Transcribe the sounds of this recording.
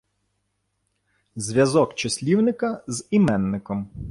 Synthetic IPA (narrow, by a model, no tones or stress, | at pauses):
zʲʋʲjɐzɔkt͡ʃɐsʲlʲiwnɪkɐzimɛnːɪkɔm